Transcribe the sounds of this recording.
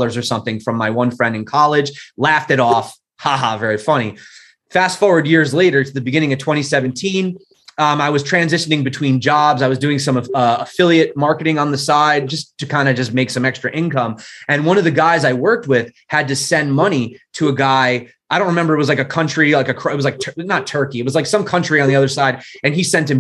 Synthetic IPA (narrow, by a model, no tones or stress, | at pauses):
lˠə˞zə˞sʌ̃mθɪ̃ŋfɹʌ̃mːaɪwʌ̃nfɹɛ̃ndɨ̃nkʰɑlˠɪd̥ʒ̥læftɨɾɔf | hɑɦɑ̰vɛɹifʌñi | fæstfɔɹwə˞djɪɹzleɪɾə˞ɾɨðɨbɨɡɪ̃ñɪ̃ŋʌv̥tʰw̥ɛ̃ɾ̃isɛvɨ̃ntʰĩn | aɪwʌz̥tʰɹ̥æ̃nzɪʃɨnɪ̃ŋbɨtʰw̥ĩnd͡ʒɑbzaɪwʌzdʉɪ̃ŋsʌ̃mʌʌəfɪlˠiɨt̚mɑɹkɨɾɪ̃ŋə̃nðɨsaɪd̚d͡ʒʌstʰɨkʰãɪ̃ndɨd͡ʒʌsmeɪksʌ̃mɛkstɹ̥ɨʔɪ̃nkʌ̃mʔɨ̃nwʌ̃nʌvðɨɡaɪzaɪwɜ˞k̚t̚wɪð̥ | hɨd̚tɨsɛ̃nmʌñiɾɨːɡaɪ | aɪɾõʊnɹɨmɛ̃mbə˞ɨt̚wʌzlaɪkɨkʰʌ̃nt͡ʃɹ̥ilaɪkɨkʰɪt̚wʌzlaɪtʰnətʰɜ˞kiɨt̚wʌzlaɪksʌ̃mkʰʌ̃nt͡ʃɹ̥iɨ̃nðiʌðə˞saɪɾ | ɨ̃nisɛ̃ntɨ̃m